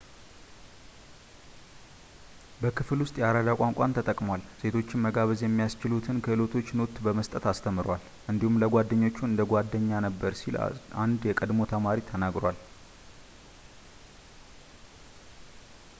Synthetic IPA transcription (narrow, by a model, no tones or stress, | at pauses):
bəkʰɨflwʊst̪ʼjɛaɾad̪akʼaŋkʼant̪ʰət̪ʼəkʼmwalse̞t̪ʰo̞t͡ʃːɪmməɡaβɨzjɛmːijast͡ʃɪlut̪ʰɨnkʰəɨlo̞t̪ʰo̞t͡ʃːnot̪ːbəməst̪ʼət̪ast̪ʰəmːɨɾwal | ʔɨnd̪ihumləɡʷad̪ːəɲːo̞t͡ʃːuɨnd̪əɡʷad̪ːəɲːanəbːəɾsilʔand̪jɛkʼəd̪mo̞t̪ʰəmaɾit̪ʰənaɡɾwal